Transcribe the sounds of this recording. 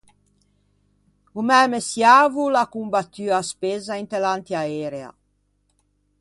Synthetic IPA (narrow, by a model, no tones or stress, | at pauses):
umɛːmesjaːvulakumbat̪ːyaspezaint̪elant̪jaɛːɾea̰